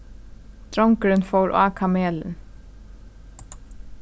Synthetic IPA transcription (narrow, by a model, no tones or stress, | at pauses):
t̪ɾɔŋkɾʏnfowɾʔa̰ːkʰamɛːlə̰n